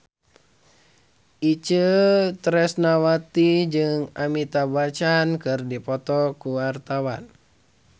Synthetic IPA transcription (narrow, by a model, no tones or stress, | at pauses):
it͡ʃət̪ɾɛsnawat̪id͡ʒɨŋamit̪abat͡ʃankɨrdipɔt̪ɔkuwart̪awa̰n